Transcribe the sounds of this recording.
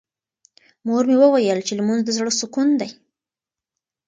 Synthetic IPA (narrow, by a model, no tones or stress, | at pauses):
moɾmewəwajəlt͡ʃeləmunod̪əzɽəsukund̪aj